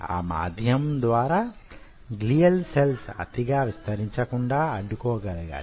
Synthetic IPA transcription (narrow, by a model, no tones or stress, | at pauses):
a̰ːma̰ːd̪ʱjɐmd̪ʋaːɾaː | ɡlijɐlselsɐ̰t̪iɡaːʋist̪ɐɾiɲt͡ʃɐkuɳɖaːɐɖːukɔːɡɐlɐɡa̰ː